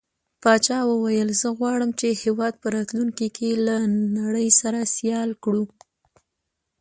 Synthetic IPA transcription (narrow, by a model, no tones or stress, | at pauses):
pɑt͡ʃɑwəwajəlzəɣwɑɽəmt͡ʃehewɑd̪̚pəɾɑt̪luŋkikʰelanaɽəjsaɾasjɑlkɽu